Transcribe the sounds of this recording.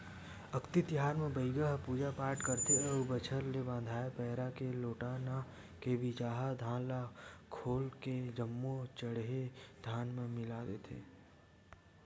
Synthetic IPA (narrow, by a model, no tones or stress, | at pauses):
əkt̪it̪ɪɦaːɾmẽbəɪɡaɦpuːd͡ʒapaːɾʈkəɾt̪eɔːbət͡ʃʰəɾlebãːnd̪ʱaːepɛɦɾakeloːʈaːna | keʋɪt͡ʃaːɦad̪ʱãːlakʰoːlked͡ʒəmːot͡ʃəɽɦed̪̥ʱaːnmẽmɪlaːd̪eːt̪ʰḛː